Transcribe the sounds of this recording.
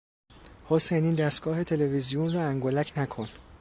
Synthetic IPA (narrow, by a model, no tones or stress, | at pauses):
hoseniːnd̪æst̪ɡ̥ɒːɦe̞t̪ʰe̞levizijunrɒːæŋɡolæcʰnækʰon